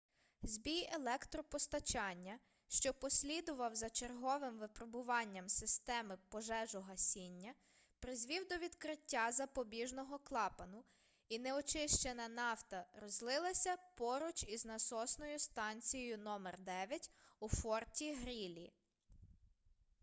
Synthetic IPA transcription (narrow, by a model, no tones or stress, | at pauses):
zʲbʲijelˠɛkt̪ɾɔpɔst̪ɐt͡ʃɑnʲːɐ | ʃt͡ʃɔpɔsʲlʲid̪ʊʋɐwzɐt͡ʃerɦɔʋɪmʋɪpɾɔbʊʋɑnʲːɐmsɪst̪ɛmɪpɔʒɛʒɔɦɐsʲinʲːɐ | pɾɪzʲʋʲiwd̪ɔʋʲid̪kɾɪtʲːazɐpɔbʲiʒnɔɦɔklˠɑpɐnʊ | inɛɔt͡ʃɪʃt͡ʃenɐnɑwt̪ɐɾɔzlˠɪlˠɐsʲɐpɔɾʊt͡ʃiznɐsɔsnɔjʊst̪ɑnʲt͡sʲijɔjʊnɔmɛrd̪ɛʋʲjɐtʲufɔrtʲiɦɾʲilʲi